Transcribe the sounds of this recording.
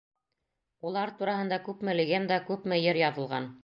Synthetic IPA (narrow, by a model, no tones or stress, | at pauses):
ulˠɑɾt̪uɾɑhɤ̆nd̪ɑkʉpmɘ̆lɘ̆ɡænd̪ɑkʉpmɘ̆jɘɾjɑðɤ̆lˠʁɑ̰n